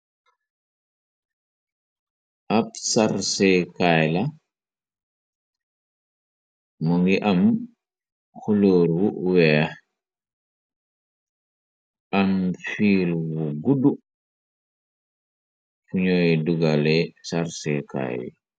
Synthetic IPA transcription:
ʔapsaɾsɛkajla | muŋɡiʔam | xuloɾwuwɛː | ʔamfiːlwuɡudu | fuɲojduɡalɛsaɾsɛka̰j

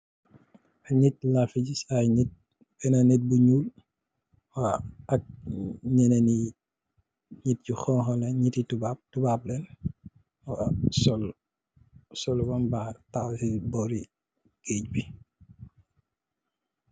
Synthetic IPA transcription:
ʔaɲit̚lafiɟisajɲit̚ | bɛnanɛt̚buɲuːl | waɐk̚ɲɛnɛni | ɲit̚cuxɔːŋxɔlɛɲititubap̚tubap̚lɛn | wasɔl | sɔlwɔnbatawsibɔɾi | ɡ̥eːc̚bi

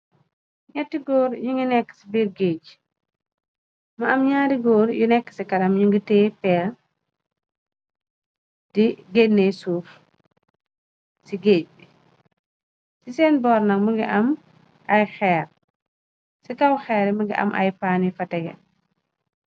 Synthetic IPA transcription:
ɲɛtːiɡɔːɾjuŋɡinɛkːə̥sibiːɾɡeːɟ | mɐɐmɲaːɾiɡɔːɾjunɛkːə̥sɛkɐɾɐmɲuŋɡitɛːpɛːl | d̥iɡenːesuːf | siɡeːɟ̚i | sisɛːnbɔːɾnɐkmɐŋɡiʔɐm | ʔɐjxɛːr | sikɐwxɛːɾmɐŋɡḭʔɐ̰mʔɐ̰jpaːnifɐtɛɡɛ̰

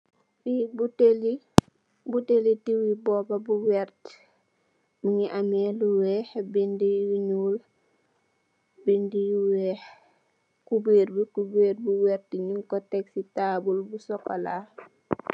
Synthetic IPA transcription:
fibuteli | butelitiwibɔːbabuwɛɾt | miŋiʔamɛluwɛːhbindiwiɲuːl | bindiwɛh | kubeːɾbikubeːɾbuwɛɾtiɲuŋkɔtɛksitaːbulbusɔkolaː

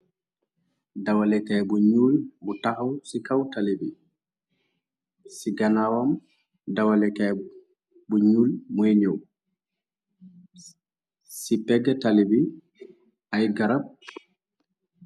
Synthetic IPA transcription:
dawalɛkajbuɲulbutahawsikawtalibi | siɡanawam | dawalɛkaj | buɲulmɔjɲow | sipɛɡatalibi | ʔajɡaɾab̚

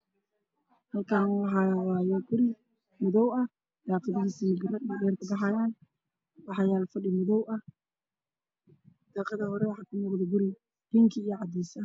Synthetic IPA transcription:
hɐlkʰaːnwɑħɑwaːjɛɡʊɾɪ | mʊðɔwɐ | d̪̥ɑːqɐðiɣisimɪɡɾɖɛːrkʰʊbɑħɑjaːn | wɑħɑjaːlfɐɖɪmʊðɔwʔɐh | d̪̥ɑːqɑðɐhɔɾɛwɑħɑːkʰʊnɔːqðɔɡʊɾɪ | hiːŋkʰɐijɔʕɑd̪iːsɐ

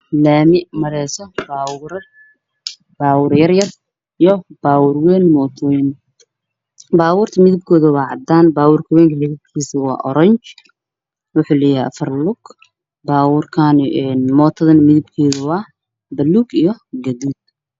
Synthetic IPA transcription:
laːmɪʔmɐɾɛːsɔbawɾ | b̥aːwʊɾjɐrjɐr | ijɔb̥aːwʊrwɛːnmɔːt̪ʰwɛːn | baːwʊːrt̪ʰɐmɪðɪb̚kʰɔːðɐwɑːʕɑd̪aːnbaːwʊrkʰɐwɛːŋkʰɐhɛðɐkʰiːsɐwɑ̰ːʔɔɾɐɲt͡ʃ | wʊħuːlɛjaʔɐ̰fɐrlʊɡ̥ | baːwʊrkʰaːnɛnmɔːt̪ʰɐðɐnmɪðɪb̚kʰɔːðʊwɑː | bɐluːɡijɔɡɐduːd̪̚

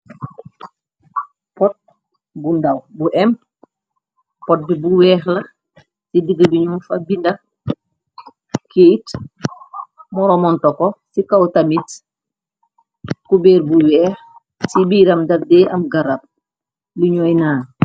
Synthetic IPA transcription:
pɔt̚ | bundawbuʔɛm | pɔt̚bibuwɛːxlɐ | sidəɡəbiɲumfabindɐ | kʰeːt | mɔɾɔmɔntɔkɔsikawtamit | kubɛːɾbuwɛːx | sibiːɾɐmdɐdɛːʔɐmɡaɾap̚ | luɲɔjnaːn

